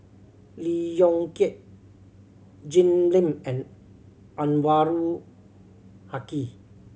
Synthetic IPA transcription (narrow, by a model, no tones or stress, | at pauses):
lijɔŋkiʔ | d͡ʒinlimɛ̃n | anwaɾu | haki